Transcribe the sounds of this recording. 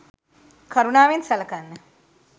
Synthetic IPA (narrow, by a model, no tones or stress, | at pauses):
kʰɐɾunaːʋensɐləkanːə